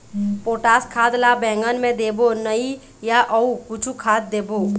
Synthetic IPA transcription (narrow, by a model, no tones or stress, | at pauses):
poːʈaːskʰaːd̪labɛ̃ːŋɡənmẽd̪eːbonəi | jaʔəuput͡ʃʰukʰaːt̪̚d̪eːbo